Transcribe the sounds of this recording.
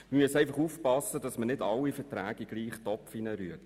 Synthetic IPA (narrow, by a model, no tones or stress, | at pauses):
məmyəsæɪfɑχuːfpɑsːədɑsmənɪdɑlːifətɾæːɡ̥iɡ̥liːχtɔpfinəɾyət